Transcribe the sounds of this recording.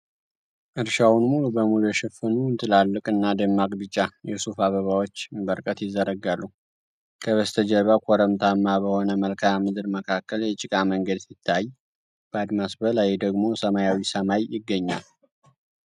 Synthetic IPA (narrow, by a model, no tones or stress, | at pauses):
ʔɨɾʃawnmulubəmulujɛʃɛfɨnunt̪ʰɨlalːɨkʼɨnːad̪ɨmːakʼbɨt͡ʃʼːajɛsufaβəβawot͡ʃːbəɾkʼət̪jɪzːəɾəɡalːu | kʰəβəst̪ʰəd͡ʒɛβakʷʰoɾəmt̪ʰamːabəho̞nəməlkʰamɨd̪ɨɾməkʰakːəljɛt͡ʃʼɪkʼaməŋɡəd̪sɪt̪ʰːaj | b̥əad̪masbəlajd̪əɡmo̞səmajawisəmajːɪɡːəɲːa̰l